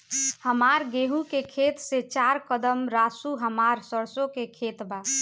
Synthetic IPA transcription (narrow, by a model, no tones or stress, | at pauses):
həmaɾɡeɦũkekʰet̪set͡ʃaɾkəd̪əmɾasuɦəmaɾsəɾsõkekʰet̪ba